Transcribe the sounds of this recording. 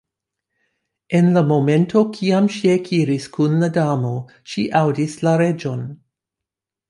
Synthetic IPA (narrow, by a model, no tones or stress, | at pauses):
e̞nlamo̞me̞nto̞kʰiamʃiekʰiɾiskunladamo̞ | ʃiʔawdislaɾe̞d͡ʒo̞n